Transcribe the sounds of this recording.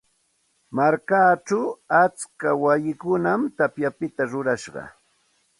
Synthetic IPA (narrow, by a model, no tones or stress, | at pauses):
maɾkaːt͡ʃawat͡skawajɪkʊnamt̪apjapɪt̪aɾʊɾaʃɢɑ̰